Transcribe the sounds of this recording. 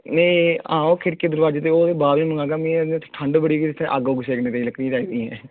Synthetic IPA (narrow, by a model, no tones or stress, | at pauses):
neːãːoːkʰɪɾkeːd̪əɾʋaːd͡ʒeːt̪eːoːd̪eːbaːʋiːməŋɡãːkaːmĩːɛd̪ãt̪ːʈʰəɳɖbəɽiːkiɪt̪ʰːeʔaɡoːɡʊseːkneːt̪eiləkʰnĩːd͡ʒaːiːd̪iːɦɛ̰̃ː